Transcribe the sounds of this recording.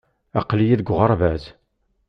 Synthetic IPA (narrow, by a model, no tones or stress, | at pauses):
ɑqlijiðɡʷʁəɾˤvæs